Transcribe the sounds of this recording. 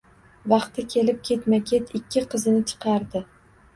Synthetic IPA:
vɑqt̪ɪkʲʰe̞lɪp̚kʲʰe̞t̪makʲʰe̞t̪ɪkʲʰːɪqʰɨzɪnɪt͡ʃʰɨ̥qʰɑɾd̪ɪ

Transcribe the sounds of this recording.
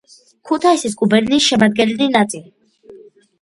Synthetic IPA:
kʰut̪ʰaisis̬kʼubɛɾniːsʃɛmad̪̚ɡɛnɛlinat̪sʼili

